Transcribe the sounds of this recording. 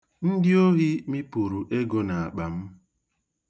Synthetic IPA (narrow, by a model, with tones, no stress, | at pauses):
n̩˦dɪ˦o˦ɦi˦mi˦pu˨ɾu˨ʔe˦ɡo˦na˨a˨k͡pa˨m̩˦